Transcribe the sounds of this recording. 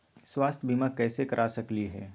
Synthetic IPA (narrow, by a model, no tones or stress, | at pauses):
swaːst̪ʰəbʱimakɛːsekɐɾʔasɐkliɦɛ̰ː